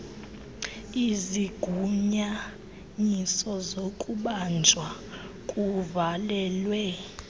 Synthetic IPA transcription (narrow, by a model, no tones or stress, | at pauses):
iziɡ̥ʱuɲa | ɲisɔzokʼuɓand͡ʒʱwa | kʼuvalɛːlwɛ